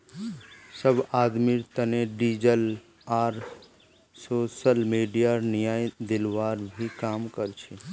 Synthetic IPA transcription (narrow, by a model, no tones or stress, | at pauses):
səbaːd̪miɾt̪əneɖiːd͡ʒəl | aːɾ | soːsəlmiːɖijanɪjaːjd̪ɪlʋaːɾbʱikaːmkəɾt͡ʃʰi